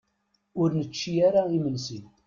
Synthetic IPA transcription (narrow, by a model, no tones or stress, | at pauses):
ʊɾnət͡ʃːiaɾaimənsin